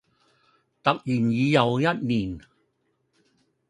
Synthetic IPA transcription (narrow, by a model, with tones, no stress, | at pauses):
t̪ɐ˨k̚jyː˨˩njiː˨˧jɐ˨wjɐ˥t̚niː˨˩n